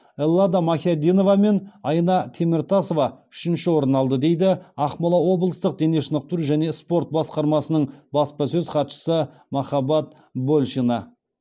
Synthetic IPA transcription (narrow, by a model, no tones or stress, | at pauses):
elˠːɑd̪ɑmɑxʲijad̪ino̞vɑme̞nɑjnɑt̪ʰe̞mɪɾt̪ʰɑso̞vɑ | ʏ̥ʃɪnʃɪwo̞ɾənɑlˠd̪əd̪e̞jd̪ɪɑqmɑlˠɑwo̞bəlˠəst̪əq̚d̪e̞ne̞ʃənəq̚t̪uɾʒæne̞spo̞rt̪̚bɑsqɑɾmɑsənəɴbɑspɑsɵzqʰɑt̪ʃə̥sə | mɑχɑbɑt̪̚ | bolʲˠʃinɑ